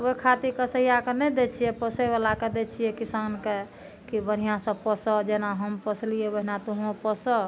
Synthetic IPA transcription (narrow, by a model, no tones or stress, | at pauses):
oikʰat̪ikəsəjakenɛd̪et͡ʃʰijɛpəsɛbalaked̪et͡ʃʰijɛkisanke | kibən̤ijãsə̃pəsəd͡ʒenaɦəmpəslijebəɦinat̪oɦpəsə